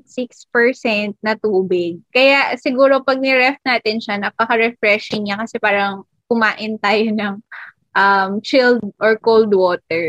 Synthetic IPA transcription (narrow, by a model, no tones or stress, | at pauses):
sikspɛɹsɛnt̪̚nɐt̪uːbɪɡ̚kɐjaʔsɪɡuːɾo̞pɐɡ̚nɪɾɛft̪̚naːt̪ɪnʃanɐpɐkɐɾɛfɾɛʃɪŋɲakɐsɛpaːɾɐŋ | kʊmaːʔɪnt̪aːjonɐŋ | ʔɐmt͡ʃɪld̪̚ʔɔɹkold̪woːt̪̚ɛɹ